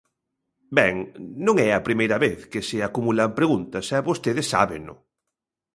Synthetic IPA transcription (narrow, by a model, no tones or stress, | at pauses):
bɛŋnõŋɛɐpɾimejɾɐβeθkɪsɪakumulampɾeɣunt̪ɐsɛβost̪eðɪsːa̰βḛnʊ̰